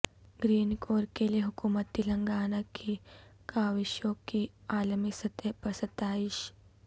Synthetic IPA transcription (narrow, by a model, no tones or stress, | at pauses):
ɡɾiːnkoːɾkelieɦʊkuːmət̪ːilɐ̃ŋɡaːnakʰikaːʋɪʃjõkiaːlmisɐt̪epɾɐsət̪ːaːɪʃ